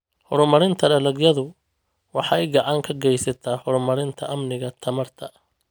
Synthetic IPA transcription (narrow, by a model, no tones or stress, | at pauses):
hɔɾʊmɐɾɪnt̪ʰɐdɐlɐɡjɐðʊ | wɑħɑɛjɡɑʕɑŋkʰɐɡɛjsɐt̪ʰaːhɔɾʊmɐɾɪnt̪ʰɐʔɐmnɪɣɐt̪ʰɐmɐrt̪ʰɐ